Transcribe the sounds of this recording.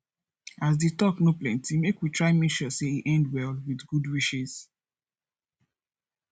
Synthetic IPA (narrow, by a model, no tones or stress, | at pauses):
azditɔknoplɛ̰̃ntimekwitɹaɪmɛʃɔseiʔɛ̃ndwɛlwidɡudwiʃiz̥